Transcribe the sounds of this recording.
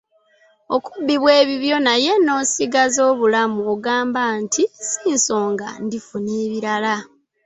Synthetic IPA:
o̞kubːiβweːβiβjo̞naje̞no̞ːsiɡazo̞ːβulamuoɡaːmbantʰisiːnso̞ːŋɡa̰ndifuneːβiɾala

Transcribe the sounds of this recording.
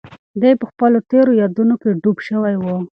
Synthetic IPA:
d̪ejpəxpəlot̪eɾojɑd̪unokeɖubʃəwajwə

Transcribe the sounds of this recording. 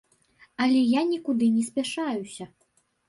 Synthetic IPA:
ɐlʲɛjanʲikud̪ɨnʲɛsʲpʲaʂajusʲɐ

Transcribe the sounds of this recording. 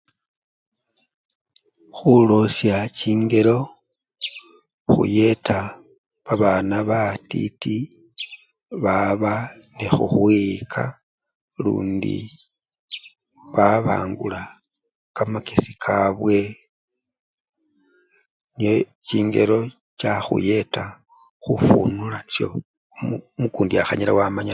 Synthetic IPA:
xulosjaciːŋɡe̞ɾo̞ | xṵje̞tʰa | βaβanaβatḭti | βaβanexuxwikʰa̰ | lṵːndḭ | βaβa̰ːŋɡula | kamakesikʰaβwe̞ | nijo | t͡ʃiːŋɡe̞ɾo̞ | t͡ʃaxṵje̞ta | xufṵnulanisjo̰ | mukuːndiaxaɲila̰wamaɲa

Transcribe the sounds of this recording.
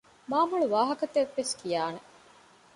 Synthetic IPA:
maːmuɭuʋaːɦɐkɐt̪eʋːeskijaːne

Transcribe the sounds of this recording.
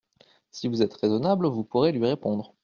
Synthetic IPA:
sivuzɛt̪ʁezɔnablvupuʁelɥiʁepɔ̃d̪ʁ

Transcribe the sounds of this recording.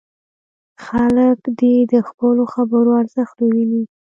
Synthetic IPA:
xaləkd̪ed̪əxpəloxabəɾoaɾzəxt̪owini

